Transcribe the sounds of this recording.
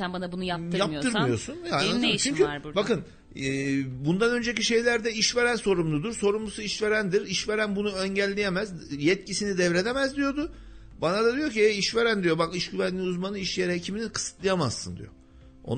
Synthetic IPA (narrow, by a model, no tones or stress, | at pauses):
ænbanabunujajapj̪ʰɯɾmɯijo̞sunjaaʃt͡ʃʰyɲcʰyaɾbakɯnː | bund̪anø̞nd͡ʒe̞ciʃe̞jlʲæɾd̪ɛiʃve̞ɾænso̞ɾumlˠud̪uɾso̞ɾumlˠusuiʃve̞ɾænd̪iɾiʃve̞ɾænbunuøɲɟælʲːejemæzjɛt̪cʰisinid̪ɛvɾe̞d̪e̞mæzd̪ijo̞d̪ʊ | banad̪ad̪ijociɛiʃve̞ɾænd̪ijo̞bakiʃɟyvænlʲiuzmanɯiʃjɛɾhecʰimininkʰɯ̥sɯ̥t̪lˠɯjamazːɯnd̪ḭjo̞̰ | o̰n